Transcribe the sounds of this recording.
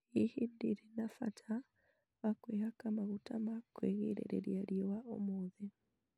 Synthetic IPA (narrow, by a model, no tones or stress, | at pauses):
ihindiɾenafa̰tʰa | βakwehakamaɣutamakweɣḭɾḛɾḛɾjaɾjowaʔo̰moːði